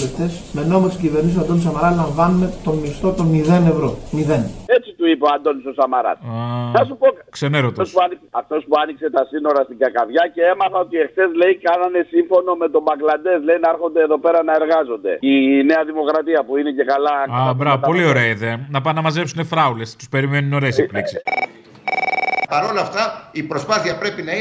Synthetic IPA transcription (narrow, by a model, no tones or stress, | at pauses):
eft̪esmenomossiciveɾnis̬ɐnd̪onisɐmɐɾɐlɐɱvɐnume̞t̪o̞mist̪o̞t̪omiðe̞ne̞vɾo̞miðene̞t͡sit̪uipoɐnd̪o̞nist̪osɐmɐɾɐ̰t̪anɐsupo̞kkseneɾot̪ospuɐnikɐft̪o̞spuɐnikse̞t̪ɐsino̞ɾɐst̪iɡɐkɐvʝɐce̞emɐθɐo̞t̪ie̞xθe̞zle̞jikɐnɐne̞siɱfo̞no̞me̞t̪o̞bɐɡlɐnd̪e̞zle̞inɐeɾxo̞nd̪eeðo̞pe̞ɾɐnɐe̞ɾɣɐzo̞nd̪e̞̰ine̞ɐðimo̞kɾɐt̪iɐpuine̞ce̞kɐlɐɐbɾɐvɐp̪ɐo̞lio̞ɾeɐiðenɐpɐnɐmɐzepsunefɾɐulest̪u̥spe̞ɾime̞nuno̞ɾespliksis | pɐɾo̞lɐft̪ɐipɾospɐθiɐpɾepinɐi